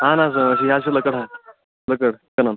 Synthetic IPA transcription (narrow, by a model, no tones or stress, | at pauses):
ɦãnas̬əəɕ̬iɦaɕiləkəɽɦã | ləkəɽkənan